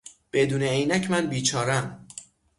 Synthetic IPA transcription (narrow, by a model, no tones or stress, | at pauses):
b̥e̞d̪uːneejnæcʰmænbiːt͡ʃʰɒːɾæm